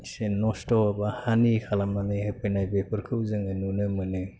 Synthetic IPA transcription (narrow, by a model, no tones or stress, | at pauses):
senɔstɔbahanikʰalamnanɯjɯpʰenajbepʰɯɾkʰɯwzɯŋɯnunɯmɯnɯ